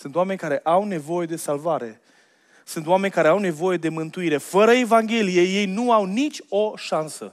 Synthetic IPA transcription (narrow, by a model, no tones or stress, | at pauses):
sɨnt̪oame̞nʲkaɾe̞ʔawne̞vo̞je̞d̪e̞salvaɾe̞ | sɨnt̪oame̞nʲkaɾeawne̞vo̞je̞d̪e̞mɨnt̪uiɾe̞fəɾəe̞vaŋɡʲe̞lije̞je̞jnuawnit͡ʃʲo̞ʃansə̰